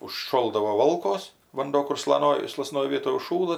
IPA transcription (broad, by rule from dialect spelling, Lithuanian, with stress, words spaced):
ʊʃˈʃoːlˠdɐʋoː ˈʋoːlˠkoːs ʋɐnˈduɔ kʊr slˠɐˈnoːj slˠɐˈsnoːj ˈʋʲiɛtoːj ʊʃˈʃuːlˠɐ